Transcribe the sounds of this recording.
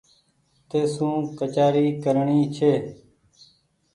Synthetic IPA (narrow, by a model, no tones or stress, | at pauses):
t̪eːsũːkət͡ʃaːɾiːkəɾɳiːt͡ʃʰeː